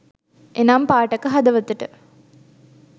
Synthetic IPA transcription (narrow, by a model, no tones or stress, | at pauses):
ʔenampaːʈɐkəɦɐd̪ɐʋət̪uʈə